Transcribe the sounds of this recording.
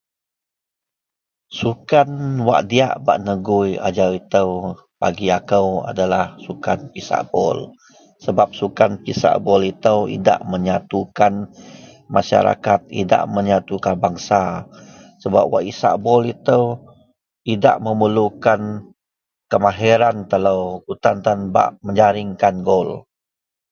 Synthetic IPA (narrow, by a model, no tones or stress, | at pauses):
sukanwa̰ʔdia̰ʔba̰ʔnəɡʊja̰d͡ʒawit̪əw | pa̰ɡiakəwa̰dalahsukanpisa̰ʔbɔ̰l | səbap̚sukanpisa̰ʔbɔlit̪əwḭda̰ʔməɲat̪ukan | maʃa̰ɾa̰kat̪̚ḭda̰ʔməɲat̪ukanbaŋsa | səba̰p̚wa̰ʔisa̰ʔbɔlit̪əw | ida̰ʔməməlukan | kəmaɦɛɾant̪ələwkut̪ant̪anba̰ʔməɲd͡ʒaɾɪŋkanɡɔl